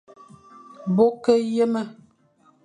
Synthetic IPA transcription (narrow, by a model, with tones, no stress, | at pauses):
bo˦kə˦je˦mə˦